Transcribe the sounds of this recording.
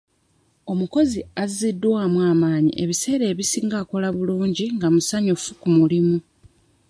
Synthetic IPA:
o̞muko̞ziazidːwaːmwaːmaːɲḭʔeβise̞ːɾe̞ːβisiːŋɡaːko̞laβuluːɲɟiŋɡamusaɲufukumulimu

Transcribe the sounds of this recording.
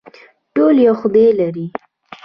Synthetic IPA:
ʈoljawxʊd̪elaɾi

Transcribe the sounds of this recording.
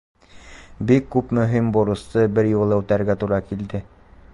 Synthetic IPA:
bikːʉpmɵ̆ɦimbuɾɤ̆st̪ɤbɘɾjulˠɤ̆wt̪æɾɡæt̪uɾɑkild̪ɘ

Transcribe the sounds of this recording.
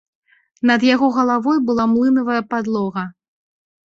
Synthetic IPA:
nɐd̪jaɣɔɣɐlˠavɔjbɨlˠamlˠɨnɐvɐjɐpad̪lˠɔɣɐ

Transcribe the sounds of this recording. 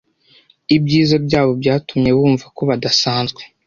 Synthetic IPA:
ibjiːzabɟaːβo̞bɟaːtumɲe̞βuːɱvako̞βadasaːnzɡwe

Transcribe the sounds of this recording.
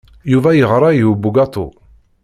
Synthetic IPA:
juvæjəʁɾˤɑjubuɡɑt̪ˤo̰

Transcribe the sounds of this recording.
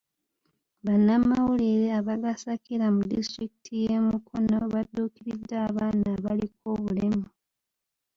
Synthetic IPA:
βanːamawuliɾeaβaɡasakiɾamudḭstɾikitʰije̞mukʰono̞βadːuːkiɾidːaːβaːnaːβaliko̞ːβulemu

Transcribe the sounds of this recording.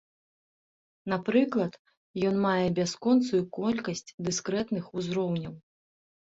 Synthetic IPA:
napɾɨklˠɐt̪ | jɔnmajɛbʲaskɔnt̪sujukɔlʲkɐsʲt͡sʲd̪ɨskɾɛt̪nɨxuzɾɔwnʲɐw

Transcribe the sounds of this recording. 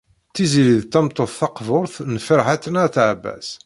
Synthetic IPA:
t̪ːiziliðt̪ːæmt̪ˤːoθθɑqvʊɾˤθnfəɾħaθənaɾθʕbːæ̰s

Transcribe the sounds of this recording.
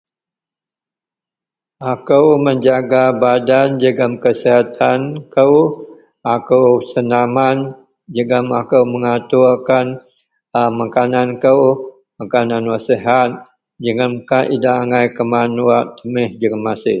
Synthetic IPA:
akəwməɲd͡ʒaɡabadand͡ʒəɡəmkəsiɦat̪ankəw | akəwsənaman | d͡ʒəɡəmakəwməŋat̪urkan | əmakanankəw | makananwasiɦat̪̚ | d͡ʒəŋəmkaʔidaːŋajkəmanuaʔt̪əmɪhd͡ʒəŋamasɪ

